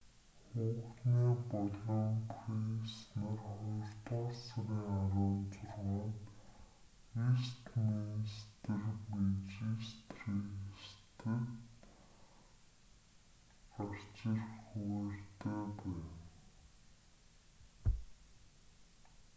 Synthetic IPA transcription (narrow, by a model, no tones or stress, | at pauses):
χʊːχniːpɔɮɔːmpʰrinsnărχʊrt̪ɔːɮsaɾiːŋaɾʊːnt͡sʊrʁɔːnt̪ | ist̪minst̪ɘ̆rmet͡ɕist̪rist̪ɘ̆k | ar̥t͡ɕɪ̆rxuert̪eːpæːw